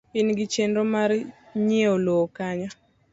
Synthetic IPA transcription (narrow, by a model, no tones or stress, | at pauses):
ɪnɡɪt͡ʃenɾomaɾɲeolokaɲɔ